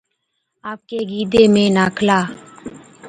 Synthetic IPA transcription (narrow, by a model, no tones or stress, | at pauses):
aːp̚keːɡiːd̪eːmẽːnaːkʰlaː